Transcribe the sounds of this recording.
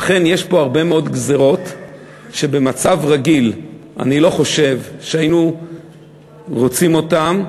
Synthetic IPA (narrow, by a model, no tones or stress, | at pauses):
aχe̞nje̞ʃpo̞aʁbe̞meo̞dɡze̞ʁo̞t | ʃe̞be̞mat͡savʁaɡilʔa̰nilo̞χo̞ʃe̞vʃeainu | ʁo̞t͡simo̞tam